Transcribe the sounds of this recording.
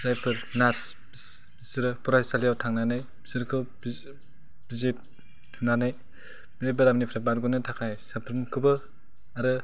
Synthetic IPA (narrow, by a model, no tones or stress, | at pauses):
sajpʰɯɾnaɾs | b | sɾɯpɔɾajsalijawtʰaŋnanaj | sɾkʰɯb | b̥izet̚ːʰ | unanaj | bɾebaɾamnipʰɾabaɾɡɔnɯtʰakʰajsapʰɾɯnkʰɯbɯ | aɾɯ